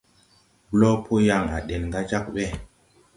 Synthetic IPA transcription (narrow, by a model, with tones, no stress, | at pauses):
blɔ˦pʰo˦ja˨ŋa̰˨ɗe˨nŋɡa˦t͡ʃa˦k̚ɓɛ˦˨